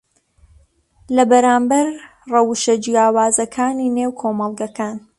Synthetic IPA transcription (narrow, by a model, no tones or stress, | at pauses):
lɐbɐɾaːmbɐɾ | rɐwʃɐd͡ʒijaːwaːzɐkʰaːniːneːwkʰoːmɑlˠɡɐkʰaːn